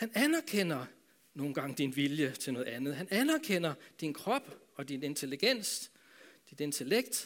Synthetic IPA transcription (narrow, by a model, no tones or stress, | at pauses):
hænænæɐkʰen̰ɐ | no̝ːn̩ɡ̥ɑ̈ŋ̰d̥inʋiljət͡sʰe̝lnɔ̽ːð̩ˠænð̩ˠɦænænæɐkʰen̰ɐd̥inkʰʁɒ̽b̥ | ɒ̽d̥ine̝nt͡sʰe̝liɡ̥en̰s | d̥id̥e̝nt͡sʰe̝leɡ̥̚d̥